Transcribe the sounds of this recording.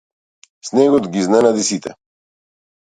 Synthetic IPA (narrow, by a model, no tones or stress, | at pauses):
snɛɡod̪ɡiznanad̪isit̪ʰɛ̰